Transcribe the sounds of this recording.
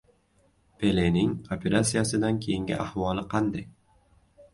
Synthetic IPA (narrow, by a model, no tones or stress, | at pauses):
pʰe̞lenɪŋopʲʰe̞ɾʔat̪sijasɪd̪ankʲʰejɪŋɡʲɪ̰ʔahvɒlˠɪqʰɑnd̪aj